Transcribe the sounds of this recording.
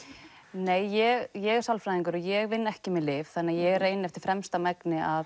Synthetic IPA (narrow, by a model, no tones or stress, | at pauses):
neːjːɛɣjɛɣsalfɾajðiŋkʏɾɔjɛɣvɪnːɛhcɪmɪlɪvθanːajɛɣreːjnɪɛft̪ɪɾ̥fɾɛmst̪amɛknɪa